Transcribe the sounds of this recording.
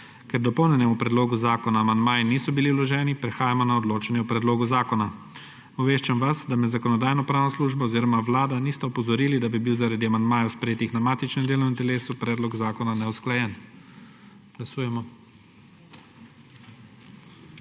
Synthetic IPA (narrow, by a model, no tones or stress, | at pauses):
kɛɾd̪ɔpɔwnʲjɛnɛmupɾɛd̪loːɡuzaːkɔnaːmand̪maːjniːsɔbiliwlɔʒɛːnipɾɛxaːjamɔnaɔd̪loːt͡ʃanjɛupɾɛd̪loːɡuzaːkɔna | ɔʋeːʃt͡ʃamʋasd̪amɛzakɔnɔd̪aːjnɔpɾaːwnɔsluːʒbɔːziːɾɔmaʋlaːd̪aniːst̪ɛɔpɔzɔɾiːlid̪abibiwzaɾad̪iamand̪maːjawspɾɛjeːt̪ixnamaːt̪it͡ʃnɛmd̪eːlɔmint̪ɛleːsupɾɛːd̪lɔɡzaːkɔnanɛwsklajɛn | ɡ̥lasuːjɛmɔ